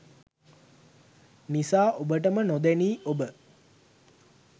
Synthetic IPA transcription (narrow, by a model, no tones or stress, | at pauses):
nisaːʔobəʈ̬əmənod̪æniːobə